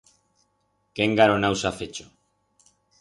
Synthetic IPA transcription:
keŋɡaɾonawsafet͡ʃo̥

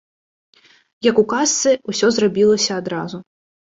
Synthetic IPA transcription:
jɐkukast̪sɨusʲɔzrabʲilˠɐsʲɐːd̪ɾazu

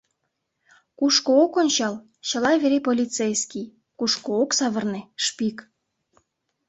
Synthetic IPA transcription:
kuʃkookonʲt͡ɕɑl | t͡ɕəlɑβeɾepolʲit͡sejskʲij | kuʃkooksɑβərneʃpik

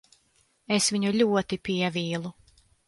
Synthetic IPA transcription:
esviɲuʎʲuɔt̪ipiɛvʲiːlˠu

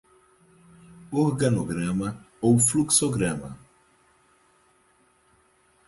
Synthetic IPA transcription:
oɾɡɐnoɡɾɐ̃mɐ | owfluksoɡɾɐ̃mɐ̰

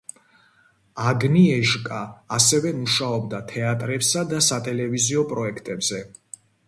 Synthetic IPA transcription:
aɡniɛʒkʼaːsɛvɛmuʃaɔb̚d̪at̪ʰɛat̪ʼɾɛpsad̪asat̪ʼɛlɛviziɔpʼɾɔɛkʰt̪ʼɛbz̥ɛ

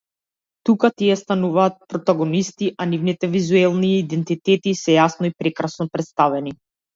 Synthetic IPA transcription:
t̪ukat̪iɛst̪anuvaːt̪̚pɾɔt̪aɡɔnist̪iʔanivnit̪ɛvizuɛlˠniiːd̪ɛnt̪it̪ɛt̪isɛjasnɔipɾɛkɾasnɔpɾɛt̪st̪avɛni

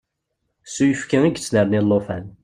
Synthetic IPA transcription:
sujəfkaiɡt͡sːnəɾnɪlˤːofæn

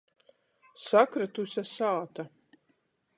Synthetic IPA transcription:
sakɾat̪usʲɛsaːt̪a

